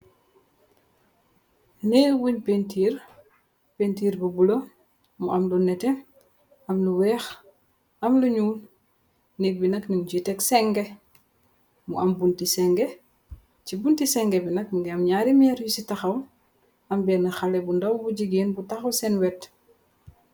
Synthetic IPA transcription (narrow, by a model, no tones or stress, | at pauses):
nɛwuɲpentiːɾ | pentiːɾbubulɐ | muɐmlunɛtɛ | ɐmluwɛːx | ʔɐmluɲuːn | nɛk̚binɐkniɲd͡ʒitɛksɛŋɡɛ | mṵʔɐmbuntisɛŋɡɛ | cibuntisɛŋɡɛbinɐk̚nŋɡɛɐmɲaːɾimɛːɾjusitɐxɐw | ɐmbɛːnɐxalɛbundɐwbuɟiɡeːnbutɐxɐsɛnwɛt